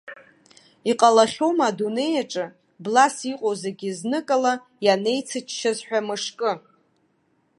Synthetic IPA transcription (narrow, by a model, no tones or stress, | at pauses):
iqʼalaχʲo̞madune̞jaʈ͡ʂʼɨ | blasiqʼozaɡʲiznɨkʼala | jane̞jt͡sʰɨt͡ʃʰʼʃazħʷᶣamɨʂkʼɨ